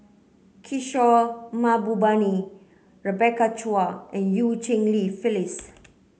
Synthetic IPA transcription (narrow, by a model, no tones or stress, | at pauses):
kʰiʃɔmabubani | ɹəbɛkat͡ʃuaɛ̃njut͡ʃĩŋlifilis